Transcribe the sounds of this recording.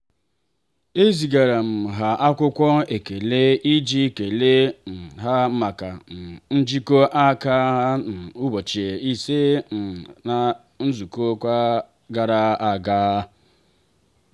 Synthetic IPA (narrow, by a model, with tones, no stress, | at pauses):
e˦zi˨ɡa˨ɾa˨m̩˨ɦa˨ʔa˦kʷʊ˦kʷɔ˦e˨ke˨le˦i˦d͡ʒi˦ke˨le˦n̩˨ɦa˦m̩˦ma˨ka˨n̩˨n̩˦d͡ʒi˦ko˦ʔa˦ka˦ɦa˦n̩˨u˦bo˨t͡ʃe˨i˦se˦n̩˨na˨ | n̩˦zu˨ko˦kʷa˦ | ɡa˨ɾa˦a˨ɡa˦